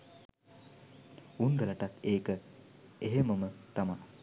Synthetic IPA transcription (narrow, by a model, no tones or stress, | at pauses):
unɡ̪ələʈat̪eːkə | eɦeməmət̪ama